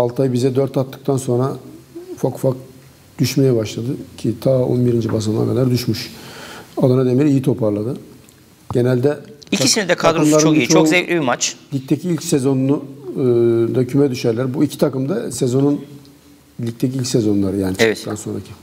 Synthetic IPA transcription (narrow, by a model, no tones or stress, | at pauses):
alˠt̪ʰajbizɛd̪øɾt̪ʰat̪ːɯ̥k̚t̪ʰanso̞nɾafakfak̚ | d̪̥yʃmejɛbaʃlˠad̪ɯcʰit̪ʰaːo̰nbiɾind͡ʒibas̬ɯmlˠa̰ɾkad̪aɾd̪yʃmyʃ | alˠanad̪e̞miɾijit̪ʰo̞pʰaɾlˠad̪ɯ | ɟ̥e̞nælʲd̪ɛicʰisinɛd̪ɛk̪ʰad̪ɾɯmlˠaɾɾɯot͡ʃʰoozelʲibimat͡ʃlʲic̚t̪ʰecʰiilʲcsezo̞nnu | d̪acʰymɛd̪yʃæɾlʲæɾbuicʰi̥t̪ʰakɯmd̪asezo̞nun | lʲic̚t̪ʰeciilʲcʲsezo̞nlˠaɾɯjaːnit͡ʃaɛ̥t̪anso̞nɾacʰi